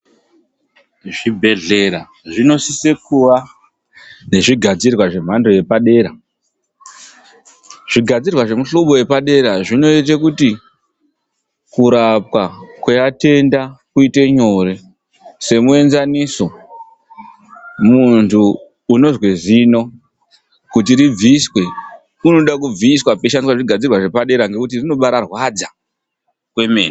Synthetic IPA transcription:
ʐibʱe̞ɮeɾa | ʐino̞sisekuwa | ne̞ʐiɡʱad͡zirwaʐe̞m̤ando̞je̞paɗe̞ːɾa | ʐ̥iɡʱad͡zirwaʐe̞muɬoɓo̞je̞paɗe̞ɾaʐino̞itekuti | kuɾap̚wakejate̞ndakuite̞ɲo̞re̞ | se̞mue̞nzaniso̞ | muntʰuː | no̞zwe̞zino̞ | kut̬iɾib͡viːswe̞ | uno̞ɗakub͡viːswapeʃaniswaʐiɡʱad͡zirwaʐe̞paɗe̞ɾaŋɡe̞kutirino̞ɓaɾarwad͡za | kwe̞me̞̰ːne

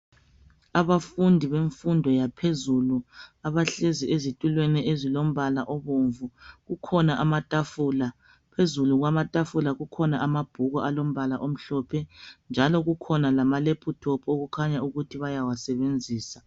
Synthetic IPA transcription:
aβafundʱiβeɱfundʱɔjapʰezuluaβaɬeziʔezitʼulweniezilom̩βalaʔɔβoːɱvuɣukʰɔnaʔamatʼafula | pʰezuluɣwamatʼafulaɣukʰɔnaʔamab̥ʱuɣɔʔalom̩βalaʔom̩ɬɔpʰɛnd͡ʒʱalɔɣukʰɔnalamalepʰutʰɔpʰoɣukʰaɲauɣutʰiβajawasɛβend͡zʱiːsa

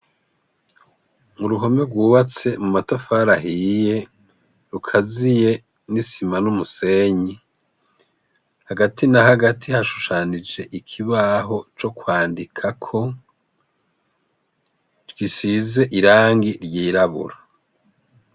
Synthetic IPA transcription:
muɾuɦo̞meɡwuːβat͡se̞mumatafaːɾaɦije̞ | ɾukʰazije̞ | nisimanumuse̞ːɲi | haɡatʰinaɦaɡatʰihaʃu̥ʃaːnid͡ʒe̞ʔikʰiβaɦo̞t͡ʃo̞kwaːndikʰakʰo̞ | ɾɡisize̞ʔiɾaːŋɡiɾjiːɾaβṵɾa

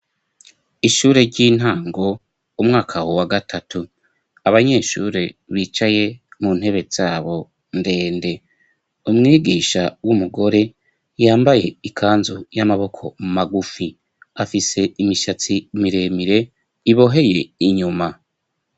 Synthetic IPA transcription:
iʃuːɾeɾɟiːn̥ɦaːŋɡo̞ | umŋaːkʰawowaɡatʰatu | aβaɲe̞ːʃuɾe̞βiːt͡ʃaje̞mun̥he̞βe̞z̥aːβo̞ | nde̞ːnde̞ | umŋiːɡiːʃawumuɡo̞ɾe̞ | jaːmbaje̞ikʰaːnzojamaβo̞kʰo̞mumaɡufi | afise̞imiʃat͡simiɾe̞miɾe̞ | iβo̞ɦe̞je̞iɲuma

